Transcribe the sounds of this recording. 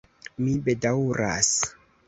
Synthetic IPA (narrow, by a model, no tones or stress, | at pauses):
mibedawɾa̰s